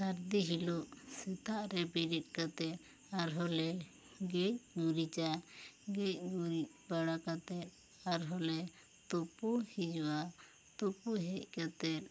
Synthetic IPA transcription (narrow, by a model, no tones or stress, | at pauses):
saɾd̪iɦiluʔsɛt̪aʔɾɛbiɾit̪̚kat̪ɛt̪̚ | aɾɦɔlɛ | ɡɛc̚ɡuɾit͡ʃaɡɛc̚ˀɡuɾic̚baɽakat̪ɛt̪̚ | aɾɦɔlɛ | t̪ɔpuhid͡ʒwa | t̪ɔpuɦɛc̚ˀkat̪ɛt̪̚